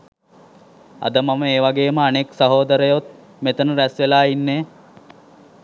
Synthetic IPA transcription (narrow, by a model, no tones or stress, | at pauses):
ɐ̰d̪əmɐməeːʋaɡeːməaneksɐɦoːd̪əɾəjot̪̚ | met̪ənəɾæsʋelaːinːe